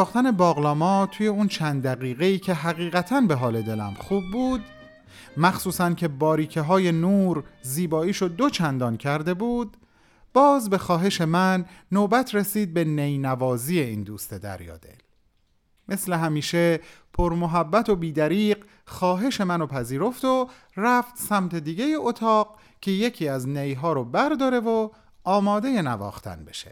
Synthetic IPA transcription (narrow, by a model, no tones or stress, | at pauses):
ɒːxt̪æne̞bɒːɣlɒːmɒːt̪ʰuːje̞unt͡ʃʰænd̪d̪æɣiːɣe̞iːcʰe̞ɦæɣiːʁæt̪ʰænbe̞ɦɒːle̞d̪e̞læ̰mχuːbːuːd̪ | mæxsuːsæncʰe̞bɒːɾiːcʰeɦɒːje̞nuːɾziːbɒːiːʃod̪o̞t͡ʃʰænd̪ɒncʰæɾd̪e̞buːd̪̚ | b̥ɒːzbe̞xɒːɦe̞ʃe̞mænːoːbæt̪ʰɾesiːd̪̚be̞nejnævɒːziːeiːnd̪uːst̪e̞d̪æ̰ɾjɒ̰ːd̪e̞̰l | me̞sle̞ɦæmiːʃe̞pʰoɾmoɦæbːæt̪ʰo̞biːd̪æɾiːɢ | xɒːɦe̞ʃe̞mænopʰæziːɾo̞ft̪o | ræft̪sæmt̪ʰe̞d̪iːɟe̞jeʔot̪ʰɒːɢ | cʰe̞je̞cʰiːæznejɦɒːɾobæɾd̪ɒːɾe̞vo | ɒːmɒːd̪e̞jenævɒ̰ːxt̪ʰæ̰nbe̞̰ʃe̥̰